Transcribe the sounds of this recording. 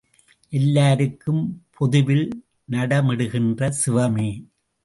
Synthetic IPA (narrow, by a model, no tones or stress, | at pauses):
ʔɛlːaːɾɯkːɯmpʰɔðɯʋɪl | nɐɽɐmɪɽɯɣɪndrɐsɪʋɐmeː